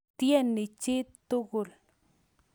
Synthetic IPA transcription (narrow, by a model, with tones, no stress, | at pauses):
tjɛ˦˨nːɪ˨t͡ʃɪ˦t̪ʊ˦ɣʊ˨l